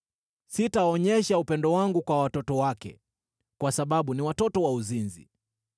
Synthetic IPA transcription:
sitaɔɲɛʃaupɛndɔwaŋɡukwawatɔtɔwakɛ̰ | kwasaɓaɓuniwatɔtɔwauzinzḭ

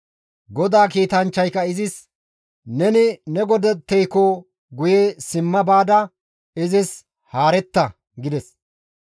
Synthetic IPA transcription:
ɡɔd̪aːkiːt̪ɐnt͡ʃːɐjkːɐɪzɪs | nɛnɪnɛɡɔd̪ɛt̪ːɛjkɔ | ɡʊjesɪmːɐbaːd̪ɐ | ɪzɪs | haːɾɛt̪ːɐ | ɡɪd̪ɛs

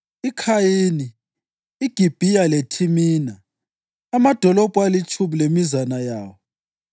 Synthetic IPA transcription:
ikʰajiniː | ɡ̥ʱib̥ʱijaletʰimiːnaː | mad̥ʱɔlɔb̥ʱʼualit͡ʃʰʼumilemizanajaːwɔ

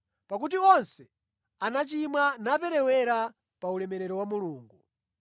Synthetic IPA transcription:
pak̬ut̬iɔnsɛ | anat͡ʃimwanap̬ɛɾɛwɛɾa | paulɛmɛɾɛɾɔwamuluːŋɡu

